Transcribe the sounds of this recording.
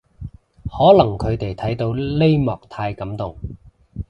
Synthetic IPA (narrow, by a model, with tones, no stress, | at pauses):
hɔː˨˥lɐ˨˩ŋkʰɵ˨˧ɥt̪e˨jt̪ʰɐ˨˥jt̪o˧wle˥jmɔː˨k̚t̪ʰaː˧jkɐ˨˥mt̪ʊ˨ŋ